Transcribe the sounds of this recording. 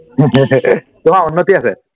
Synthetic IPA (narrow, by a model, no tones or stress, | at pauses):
t̪umãunːət̪iase